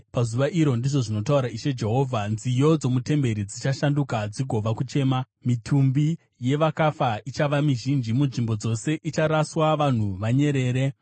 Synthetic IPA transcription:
pazuʋaʔiɾo̞ndiʐo̞ʐino̞tauɾaiʃe̞d͡ʒe̞ɦo̞ːvʱanzijo̞d͡zo̞mute̞mbe̞ɾid͡zit͡ʃaʃandukad͡ziɡʱo̞ʋakut͡ʃe̞ːma | mitʰumbi | je̞ʋakafait͡ʃaʋamiʒind͡ʒimunʐimbo̞d͡zo̞se̞ʔit͡ʃaɾaswaʋan̤uʋaɲe̞ɾe̞ːɾe̞

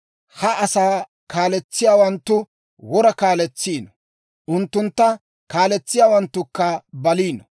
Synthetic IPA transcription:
hɐʔɐsaː | kaːlɛt͡sːɪjaːwɐnt̪ːʊ | wɔɾɐkaːlɛt͡sːiːnɔ | ʔʊnt̪ːʊnt̪ːɐ | kaːlɛt͡sːɪjaːwɐnt̪ːʊkːɐbɐliːnɔ

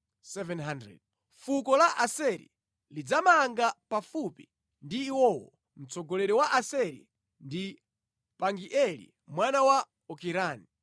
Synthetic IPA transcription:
sɛvɛnɦandɾɛ̰d̚ | fukɔlaʔasɛɾḭ | lid͡zamaŋɡapafupi̥ | ndiːwɔwɔ̰ | m̩t͡sɔɡɔlɛɾɛwaʔasɛɾḭ | ndi | paŋɡiʔɛlḭ | mwanawa | ɔkiɾaːni

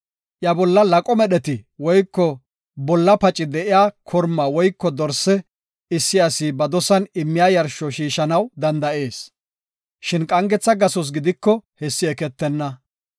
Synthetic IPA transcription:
ʔjɐbɔlːɐlɐkʼɔmɛɗɛt̪ɪwɔjkːɔ | bɔlːɐpɐt͡ʃʼːɪd̪ɛʔɪjaːkʰɔɾmːawɔjkːɔd̪ɔɾsɛ | ɪsːɪɐsibɐd̪ɔsɐnɪmːɪjaːjɐɾʃɔʃiːʃɐnɐwd̪ɐnd̪ɐʔe̞ːs | ʃɪnkʼɐŋɡɛt͡sːɐɡɐsɔs̬ɡɪd̪ɪkːɔhɛsːɪɛkɛt̪ːɛnːɐ

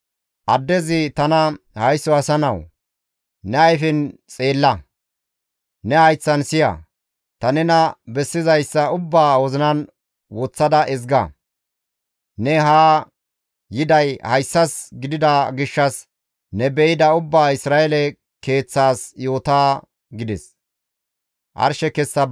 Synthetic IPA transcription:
ʔɐd̪ːɛzɪt̪ɐnɐ | hɐjsːɔɐsɐnɐw | nɛɐjfɪnt͡sʼe̞ːlːɐ | nɛhɐjt͡sːɐnsɪjɐ̰ | t̪ɐnɛnɐbɛsːɪzɐjsːɐʊbːaːwɔzɪnɐn | wot͡sːɐd̪ɐʔɪzɡɐ̰ | nɛɦaː | jɪd̪ɐjhɐjsːɐsɡɪd̪ɪd̪ɐɡɪʃːɐs | nɛbɛɪd̪ɐʊbːaːɪsɾaːelɛ | ke̞ːt͡sːaːsjo̞ːt̪aː | ɡɪd̪ɛs | ʔɐ̰ɾʃɛkɛsːɐ

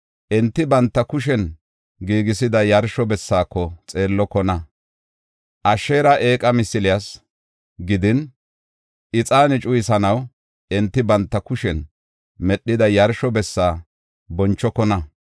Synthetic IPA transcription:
ʔɛnt̪ːɪbɐnt̪ːɐkʊʃ̬ɛn | ɡiːɡɪsɪd̪ɐjɐɾʃɔbɛsːaːkːɔt͡sʼe̞ːlːɔkːɔnɐ | ʔɐʃeːɾɐʔe̞ːkʼɐmɪsɪlɪjɐs | ɡɪd̪ɪn | ɪt͡sʼaːnɪt͡ʃʼʊjɪsɐnɐw | ɛnt̪ːɪbɐnt̪ːɐkʊʃɛn | mɛɗːɪd̪ɐjɐɾʃɔbɛsːaː | bɔnt͡ʃːɔkɔnɐ

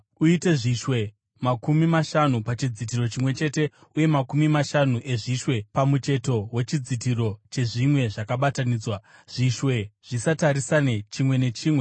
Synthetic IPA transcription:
uite̞ʐiʃwe̞ | makumimaʃanupat͡ʃid͡zit̬iro̞t͡ʃimwe̞t͡ʃe̞te̞ | uje̞makumimaʃanuʔe̞ʐiʃwe̞pamut͡ʃe̞to̞we̞t͡ʃid͡zit̬iro̞t͡ʃe̞ʐimwe̞ʐakaɓataniːd͡zwaʐ̥iʃwe̞ʐ̥isataɾisanet͡ʃimwe̞ne̞t͡ʃiːmwe̞

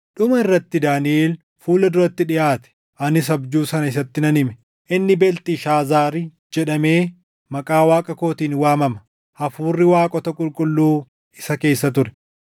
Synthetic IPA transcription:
ᶑʊmɐɪrːɐt̪ːɪd̪aːnɪʔeːl | fuːlɐd̪ʊɾɐt̪ːɪᶑɪʔaːt̪ɛ̥ | ʔɐnɪs̬ɐbd͡ʒuːsɐnɐɪsɐt̪ːɪnɐnɪmɛ | ʔɪnːɪbɛlt̪ɪʃaːzaːɾɪd͡ʒɛᶑɐme̞ː | mɐkʼaːwaːkʼɐko̞ːt̪iːnwaːmɐmɐ̥ | hɐfuːrːɪwaːkʼɔt̪ɐkʼʊlkʼʊlːuː | ɪsɐke̞ːsːɐt̪ʊɾɛ̥

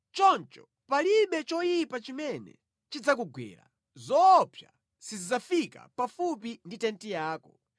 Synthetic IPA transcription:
t͡ʃɔnt͡ʃɔ | paliɓɛt͡ʃɔjipat͡ʃimɛnɛ̰ | t͡ʃid͡zakuɡwɛ̰ːɾa̰ | zɔpʰja̰ | sizid͡zafika̰pafupinditɛntijaːkɔ

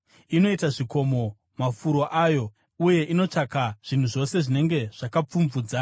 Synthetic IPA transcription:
ino̞itaʐiko̞mo̞ | mafuɾo̞ʔaːjo̞ | uje̞ʔino̞t͡ʂakaʐ̥in̤uʐo̞se̞ʐine̞ŋɡe̞ʐ̥akap͡fumvuːd͡za

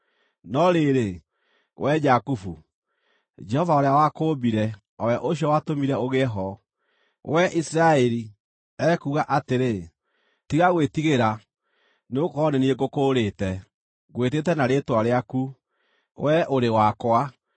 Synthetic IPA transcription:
nɔɾeɾe | wʔɛd͡ʒakufu | d͡ʒɛhɔvaoɾeawakoːbiɾɛ | ɔwɛʔoɕiɔwatomiɾɛoɣeɦɔ | wʔɛʔisiɾaɛɾi | ɛkuɣaʔateɾe | tiɣaɣwetiɣeɾa | neokɔnenieɡokoːɾetɛ | ɣwetetɛnaɾetwaɾeaku | wʔɛʔoɾewakwa

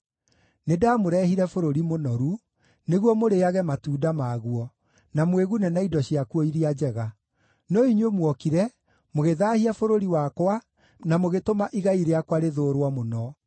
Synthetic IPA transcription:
nedamoɾɛhiɾɛfoɾoɾimonɔɾu | neɣwɔmoɾeaɣɛmatuːdamaɣuɔ | namweɣunɛnaidɔɕijakwoiɾiad͡ʑɛɣa | nɔiɲwemwɔkiɾɛ | moɣeðaːhiafoɾoɾiwakwa | namoɣetomaʔiɣaiɾeakwaɾeðoːɾwamonɔ

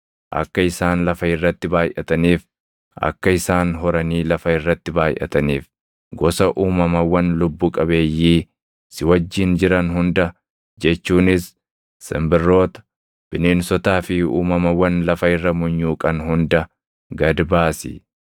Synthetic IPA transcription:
ʔɐ̰kːɐɪsaːnlɐfɐɪrːɐt̪ːɪbaːjʔɐt̪ɐniːf | ɐ̰kːɐɪsaːnɦɔɾɐniːlɐfɐɪrːɐt̪ːɪbaːjʔɐ̰t̪ɐniːf | ɡɔsɐʔuːmɐmɐwːɐnlʊbːuːkʼɐbe̞ːjːiː | sɪwɐd͡ʒːɪnd͡ʒɪɾɐnɦʊnd̪ɐ | d͡ʒɛt͡ʃːuːnɪsː | ɪ̰mbɪrːo̞ːt̪ɐ̥ | b̥ɪneːnsɔt̪aːfɪṵːmɐmɐwːɐnlɐfɐɪrːɐmʊɲːuːkʼɐnɦʊnd̪ɐ | ɡɐd̪baːsɪ̰

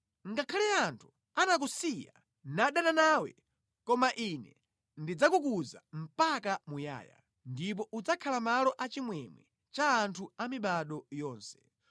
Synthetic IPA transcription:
ŋɡakʰalɛantʰu̥ | anak̬usija | naɗananawɛ̰ | kɔmaʔinɛ | ndid͡zakukuza̰m̩pakamuja̰ːja̰ | ndip̬ɔʔud͡zakʰalamalɔʔat͡ʃimwɛmwɛ | t͡ʃaːntʰuamiɓaɗɔjɔːnsɛ̥

